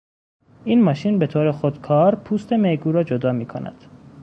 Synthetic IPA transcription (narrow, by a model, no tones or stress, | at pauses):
iːnmɒːʃiːnbe̞t̪ʰoːɾexod̪kʰɒːɾpʰuːst̪emeɡuːɾɒːd͡ʒod̪ɒːmiːkʰo̰næ̰d̪̥